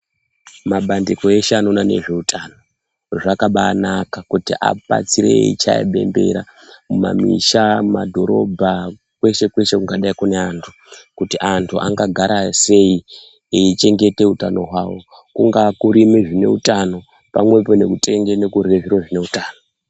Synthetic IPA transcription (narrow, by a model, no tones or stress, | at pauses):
maɓandiko̞eʃano̞nane̞̰ʐe̞utʰano̞ | ʐakaɓaːnakakutiʔa̰ɓa̰t͡sirḛḭt͡ʃa̰ḛɓe̞̰mbe̞̰ɾa | muma̰mḭʃaumadʱo̞ɾo̞̰bʱa | kwe̞ʃe̞kwe̞ʃe̞kuŋɡaɗaikune̞antʰu | kutiʔantʰuʔa̰ŋɡaɡʱaɾʔase̞i | eit͡ʃe̞ŋɡe̞te̞utano̞ɦwawo̞ | kuŋɡakuɾimeʐine̞̰utano̞ | pamwe̞po̞ne̞kutʰʼe̞ŋɡene̞kureʐiroʐine̞utaːno̞